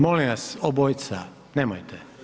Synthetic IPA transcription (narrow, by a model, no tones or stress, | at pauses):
moliʋasobojt̪sa | neːmojt̪ʰe